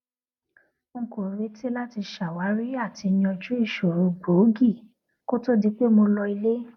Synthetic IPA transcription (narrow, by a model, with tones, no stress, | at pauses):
ŋ̩˨ko˨ɾe˨˦ti˦la˦ti˧ʃa˨wa˨˦ɾi˦a˦˨ti˧j̃ɔ̃˧d͡ʒu˦i˦˨ʃo˨ɾu˧˨ɡ͡bo˨˦ɡi˦˨ | ko˦to˦di˦k͡pe˦mo˧lɔ˧i˧le˦